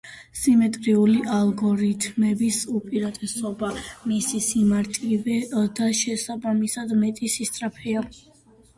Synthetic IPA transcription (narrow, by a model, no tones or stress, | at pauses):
simɛt̪ʼɾiuliʔalˠɡɔɾit̪ʰmɛbisupʼiɾat̪ʼɛsɔbamisisimaɾt̪ʼivɛd̪aʃɛsabamisad̪mɛt̪ʼisist̪ʼɾapʰɛa